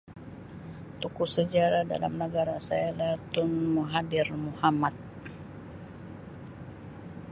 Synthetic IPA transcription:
t̪ukusəd͡ʒaɾada̰la̰mnəɡaɾasaalat̪ʊnmuɦadɪrmuhamat̪̚

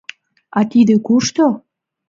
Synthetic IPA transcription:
ɑt̪id̪ekuʃt̪o

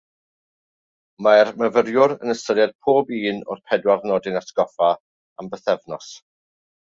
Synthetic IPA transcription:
maɛrməvəɾjʊɾənəstəɾjad̥̚pʰoːbiːnɔ̰rpʰɛdwarnɔdɪnasɡ̥ɔfa | ambəθɛvnɔs

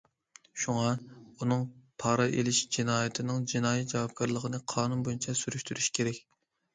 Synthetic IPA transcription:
ʃuŋɑunɨŋpʰɑːɾɑʔelɪʃd͡ʒinɑːjɪt̪ʰɪnɪŋd͡ʒinɑːjɛt̪̚d͡ʒɑwɑp̚kʰɑɾlˠəʁənɨqʰɑːnunbojint͡ʃʰɛsyɾyʃt̪ʰyɾyʃkʲʰeɾɛkʲ

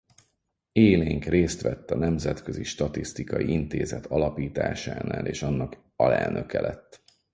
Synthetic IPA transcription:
eːleːŋkreːst̪ʋɛt̪ːɒnɛmzɛt̪køziʃt̪ɒt̪ist̪ikɒjiint̪eːzɛt̪ʰɒlɒpiːt̪aːʃa̰ːnaːleːʃɒnːɒk | ɒlɛ̰lnøkɛlʔɛt̪ː

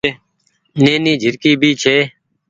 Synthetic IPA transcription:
neːniːd͡ʒʱɪɾkiːbʱiːt͡ʃʰeː

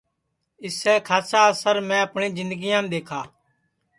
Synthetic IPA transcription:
ɪsɛːkʰaːsaːsəɾmɛ̃ːəpɳĩːzɪ̃nd̪əɡɪjãːmd̪eːkʰa̰ː

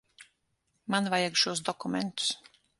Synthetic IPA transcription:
manvajaɡʃuɔsd̪ɔkumɛ̰nt̪u̥s

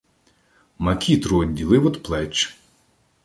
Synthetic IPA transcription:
mɐkʲit̪ɾʊɔdʲːilˠɪwɔd̪plˠɛt͡ʃ

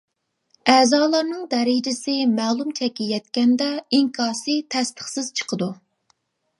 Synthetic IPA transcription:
ɛːzɑːlˠɑɾnɨŋd̪ɛɾɪd͡ʒɪsɪmɛːlˠumt͡ʃʰɛkʲːijɛt̪kʲɛnd̪ɛiŋkʰɑɾsɨt̪ʰɛst̪ʰə̥χsɪz̥t͡ʃʰə̥qʰəd̪u

